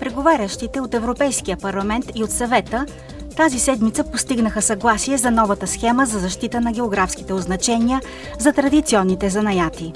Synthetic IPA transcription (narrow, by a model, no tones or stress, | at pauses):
pɾɛɡovaɾʲəʃt̪it̪ɛot̪ɛvɾopɛjsk̟ijəpɐɾlˠɐmɛnt̪iot̪sɐvɛt̪ə | t̪azisɛd̪mit̪səpost̪iɡnəxəsɐɡlˠasiɛzɐnɔvət̪əsxɛməzɐzɐʃt̪it̪ənɐɡʲɛoɡɾafski̥t̪ɛoznɐt͡ʃɛniə | zɐt̪ɾɐd̪it̪siɔnːit̪ɛzɐnɐjat̪i